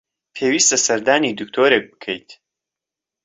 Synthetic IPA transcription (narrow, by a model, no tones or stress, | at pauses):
pʰeːwiːst̪ɐsɐɾd̪aːniːd̪ɨk̚t̪ʰoːɾek̚bɨ̥kʰɛjt̪